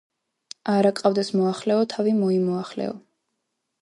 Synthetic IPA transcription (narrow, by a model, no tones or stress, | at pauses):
aɾakʼavd̪ɛsmɔaχlɛɔt̪ʰavimɔimɔaχlɛ̰ɔ̰